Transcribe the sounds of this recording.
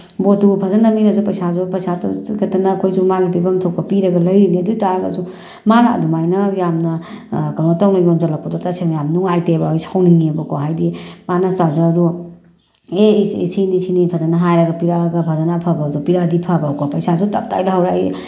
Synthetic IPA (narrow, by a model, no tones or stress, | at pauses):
botupʰazanɐmiŋɐzupɐjsazupɐjsatkʰɐtɐnɐkʰojzumaɡipibɐmtʰok̚pɐpiɾɐɡɐlɐjɾiniɐduitaɾɐɡɐ̰zu | manaɐ̰dumajnɐjamnɐkalmatawnɐjonzɐlɐk̚pɐdɔtaseŋjamnuŋajtebajsawniŋibɐkoɦajdimanɐsazɐːdu | eḭsʰinisʰinipʰɐzanaɦajɾɐɡɐpiɾaɡɐpʰazanapʰabɐːdupiɾadipʰabakopɐjsazutap̚ta̰jlaɦawɾai